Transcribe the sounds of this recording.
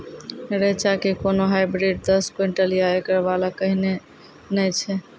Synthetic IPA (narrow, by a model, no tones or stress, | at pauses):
ɾet͡ʃakekonoɦajbɾiɖ̚d̪əskweɳʈəlijaekəɾbalakəɦine | nəjt͡ʃʰɛ